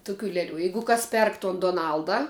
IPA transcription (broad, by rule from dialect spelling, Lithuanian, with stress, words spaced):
ˈtʊˌkʲuː ˈlʲæːˌlʲuː ˈjɛɪɡʊ ˈkɐs ˈpʲɛrk toːn doːˈnɐlˠdɐ